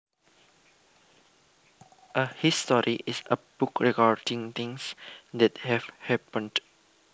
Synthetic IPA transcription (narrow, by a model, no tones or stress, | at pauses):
ʔəhistɔɹiʔisəb̥ukɹɛɡaɹdĩŋt̪ĩŋsd̪ɛthɛvhɛpə̃nd